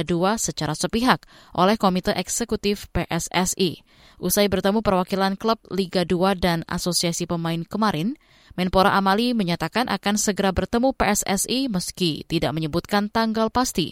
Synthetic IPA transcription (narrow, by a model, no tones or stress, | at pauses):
duasət͡ʃaɾasəpiɦak̚ | ʔolɛhkomit̪əʔɛksekut̪ɪfpeʔɛsɛsi | ʔusajbərt̪əmupərwakilankləp̚liɡaduadana̰sosiasipəmaɪnkəmaɾɪn | mɛnpoɾa̰ʔamaliməɲat̪akanʔa̰kansəɡəɾabərt̪əmupeɛsɛ̰siməskit̪idaʔ̚məɲəbut̪̚kant̪aŋɡalpast̪ḭ